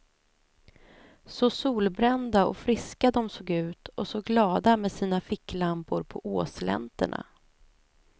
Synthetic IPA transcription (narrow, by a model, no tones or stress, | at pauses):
sɔsuːlbɾɛnd̪aɔ̰fɾɪskad̪ɔmsoːɡʉ̟ːt̪ɔsɔɡlɑːd̪amed̪siːnafɪkːlampʊɾpʰɔʔoːslɛ̰nt̪ə̰ɳa̰